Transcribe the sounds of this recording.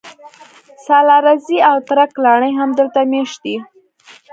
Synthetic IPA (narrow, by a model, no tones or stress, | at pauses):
sɑlɑɾaziawt̪ɾaklɑɳəjɦamd̪əlt̪ameʃd̪i